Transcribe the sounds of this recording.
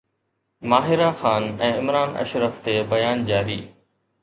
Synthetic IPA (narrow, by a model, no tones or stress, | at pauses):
maːɦɪɾaxaːnɛ̃ːɪmɾaːnɐ̰ʃɾəft̪ebɐjaːnd͡ʑaːɾiː